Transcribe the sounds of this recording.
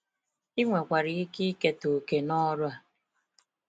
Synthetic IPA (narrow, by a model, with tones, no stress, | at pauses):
i˦ŋʷe˨kʷa˨ɾɪ˨i˦ki˦ke˦to˨ke˨nɔ˦ɾʊ˦a˨